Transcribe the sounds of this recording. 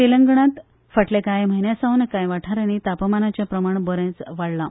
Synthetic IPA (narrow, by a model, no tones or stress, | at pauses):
t̪iləŋɡɳãt̪ | fəʈlekajm̤əɦinjasaʋunəkãjʋaʈʰaɾanit̪apəmanat͡ɕjapɾəmaɳbəɾẽt͡sʋaɽla